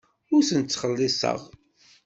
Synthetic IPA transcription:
ʊɾθənt͡sːχəlːɪsə̰ʁ

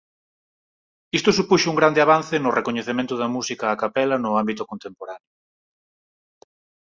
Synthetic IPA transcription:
ist̪ʊsupuʃʊuŋɡɾand̪eaβanθɪnʊrekoɲeθemẽnt̪ʊðɐmusikaːkapɛlɐnʊambit̪ʊkont̪empoɾanjʊ

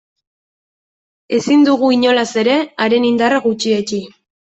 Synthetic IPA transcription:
e̞sind̪uɣuiɲo̞lase̞ɾe̞aɾe̞nind̪araɣut͡ʃiet͡ʃi

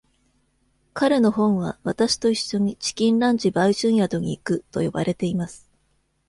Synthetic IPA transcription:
kaɾe̞no̞ɦõ̞ɰ̃βa̰βat̪aɕi̥t̪o̞iɕːo̞ɲ̟it͡ɕi̥kʲĩnɾãɲd͡ʑibaiʑɨ̃ɰ̃jad̪o̞ɲ̟iːkɯ̟t̪o̞̰jo̞̰ba̰ɾe̞t̪e̞imasɨ̥

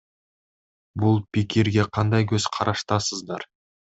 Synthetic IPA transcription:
bʊlˠpʰʲekʲeɾɡʲe̞qʰɑnd̪ɑjkʲʰɵz̥qʰɑɾʔɑʃt̪ɑsəzd̪ɑɾ

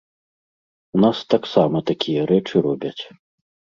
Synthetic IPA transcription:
unast̪aksamɐt̪akʲʰijɐɾɛt͡ʂɨɾɔbʲɐt͡sʲ

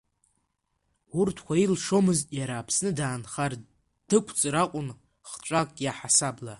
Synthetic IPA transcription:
urtʰkʷʰailʂo̞mɨztʼjaɾaːpʰsnɨdaːnχar | d̥ɨkʷʰʼt͡sʼɨɾaqʷʼʊn | χʈ͡ʂʷʼakʼjaħasabla

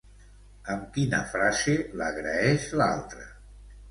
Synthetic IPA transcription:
əmkinə̰fɾazeləɣɾəɛʃla̰lˠt̪ɾə

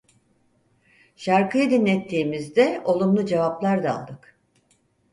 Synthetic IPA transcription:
ʃaɾkʰɯjɯd̪inlʲɛt̪ʰːiːmizd̪ɛo̞lˠumlˠud͡ʒevaplˠaɾd̪aa̰lˠd̪ɯk

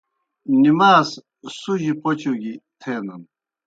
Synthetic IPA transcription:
nimaːs | suʑipot͡ɕuɡit̪ʰeːnɐn

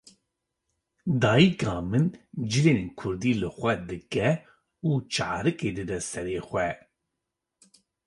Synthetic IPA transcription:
d̪ɑːjikɑːmɨnd͡ʒɨleːnkʰʊɾd̪iːlɨxʷɛd̪ɨkɛ | uːt͡ʃʰɑ̰ːɾɨkeːd̪ɨd̪ɛsɛɾeːxʷɛ

